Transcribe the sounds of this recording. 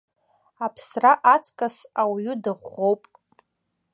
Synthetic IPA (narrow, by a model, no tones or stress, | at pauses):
apʰsraʔat͡sʼkʼasawɥʏdɨʁo̞wpʼ